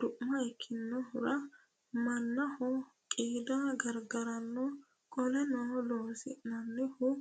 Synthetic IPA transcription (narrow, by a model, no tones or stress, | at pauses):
d̪̥ʊʔmɐɛkʰːɪnːɔhʊɾɐ | mɐnːɐhɔ | kʼiːd̪ɐɡɐɾɡɐɾɐnːɔ | kʼɔlɛnɔːloːsɪ̰ʔnɐnːɛhʊ